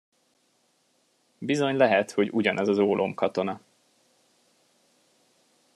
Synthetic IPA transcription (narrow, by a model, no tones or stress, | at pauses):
bizo̞ɲlɛɦɛt̪ho̞ɟuɟɒnɒzɒzoːlʔo̞̰mkɒt̪o̞nɒ